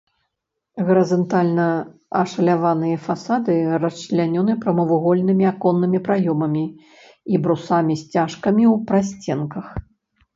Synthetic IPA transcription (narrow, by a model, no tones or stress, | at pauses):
ɣɐɾɐzɐnt̪alʲnɐɐʂɐlʲavanɨjɐfasad̪ɨrɐt͡ʂlʲanʲɔnɨpɾɐmɐvuɣɔlʲnɨmʲiakɔnːɨmʲipɾajɔmɐmʲi | ibɾusamʲisʲt͡sʲaʂkɐmʲiwpɾasʲt͡sʲɛnkɐx